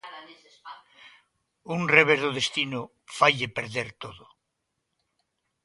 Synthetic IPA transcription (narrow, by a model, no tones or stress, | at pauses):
unreβ̞ezðoðest̪ino | fajʎepeɾðeɾt̪oðo